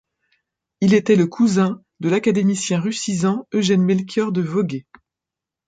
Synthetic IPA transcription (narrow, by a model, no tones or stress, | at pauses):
ilet̪ɛləkʰuzɛ̃ | d̪əlakad̪emisjɛ̃ʁysizɑ̃øʒɛnmɛlkʲjœʁd̪əvɔɡe